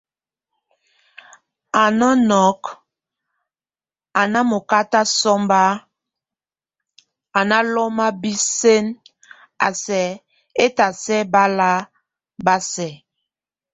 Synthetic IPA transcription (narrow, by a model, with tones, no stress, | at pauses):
a˨nɔ˦nɔ˨˦k | a˨na˦mo˨ka˦ta˦sɔ˦mba˦ | a˨na˦lɔ˦ma˦bi˦se˦n | a˨sɛ˨˦ | e˦ta˨sɛ˦ba˦la˦ | ba˦sɛ˨